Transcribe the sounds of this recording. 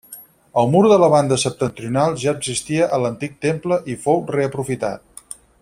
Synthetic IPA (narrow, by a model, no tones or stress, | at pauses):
əlˠmuɾðələβand̪əsəp̚t̪ənt̪ɾiunalˠʒaəɡzist̪iəʔələnt̪ik̚t̪empləʔifowreəpɾufit̪a̰t̪̚